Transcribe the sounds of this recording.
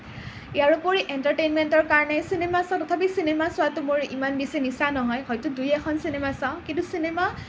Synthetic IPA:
ijaɹupoɹiʔentaɹtejnmentɔɹkaɹɔnɛsinemasãʊ̃tɔtʰap̬isinemasʊwatumoɹḭmanbisɔnisanɔɦɔjhɔjtʊdujɛkʰɔnsinemasãʊ̃kĩntusinema

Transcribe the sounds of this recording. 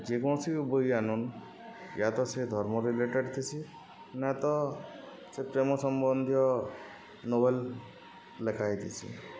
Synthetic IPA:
d͡ʒekɔ̃sʰiubojanun | jat̪ɔsed̪ʱɔɾmɔɾileʈeɖt̪ʰit͡ʃʰi | nat̪ɔ | sepɾemɔsɔmbɔnd̪ʱjɔ | nobelː | ekʰajt̪ʰit͡ʃʰḭ

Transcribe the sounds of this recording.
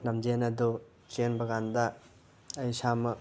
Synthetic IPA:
nɐmd͡ʒenɐd̪u | t͡ʃenbɐɡand̪aː | jsamɐ

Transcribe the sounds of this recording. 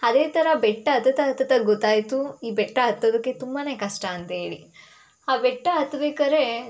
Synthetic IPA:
ɐd̪eːt̪ʰɐɾɐbɛʈːɐɐt̪ɐt̪ɐɐt̪ːɐt̪ɐɡot̪ːaːjt̪uiːbɛʈːɐɐt̪ːoːd̪ɐkːe̞t̪umbaːne̞ːkɐʂʈɐɐnt̪ɐɦeːɭi | aːbɛʈːɐɦɐt̪ːɐbeːkaːɾe

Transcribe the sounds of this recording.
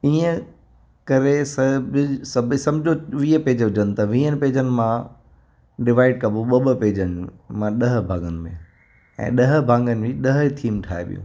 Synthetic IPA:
iːə̃ | kɐɾesɐbɪsɐbʱɪsɐ̃md͡ʑʱoʋiːəpeːd͡ʑɦʊd͡ʑənɪ̆t̪ɐʋĩːənɪ̆peːd͡ʑənɪ̆mã | ɖɪʋaːɪɖ̚kɐboɓɐbəpeːd͡ʑənɪmãɗɐɦ̆bʱãːŋɡənɪ̆mḛ̃ | ɛ̰̃ːɗɐɦ̆bʱãːŋɡənɪ̆ʋĩɗɐɦt̪ʰiːmʈʰaːḛɓḭjṵ̃ː

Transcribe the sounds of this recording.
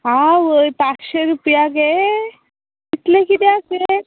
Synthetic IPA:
ɦaʋəjpat͡sɕeɾupjaɡe | it̪lekit̪ease

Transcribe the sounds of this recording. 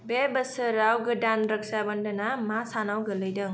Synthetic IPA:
bebəsɯɾawɡɯdanɾək̚sabandanamasanawɡɯlɯjdɯŋ

